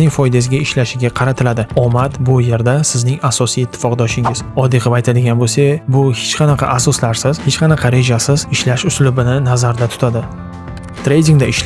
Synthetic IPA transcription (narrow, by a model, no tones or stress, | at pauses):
nɪŋfɒjd̪as̬ɪɡʲaɪʃlaʃɪɡʲaqʰɑɾat̪ʰɪlad̪ɪɒmat̪bʊje̞ɾd̪asɪznɪŋasɒsijɪt̪ʰːɪ̥fɒqd̪ɒʃɪŋɪz̥ɒd̪eqɨpajt̪ʰad̪ɪɡʲanbolsebʊhet͡ʃqʰɑnɑqʰɑ̰ʔasɒslaɾsɪz̥het͡ʃqɑnɑqʰɑɾe̞d͡ʒasɪzɪʃlaʃʊslʊbɪnɪnazaɾd̪at̪ʰʊ̥t̪ʰad̪ɪ | t̪ʰɾe̞jd̪ʲiŋd̪aɪʃ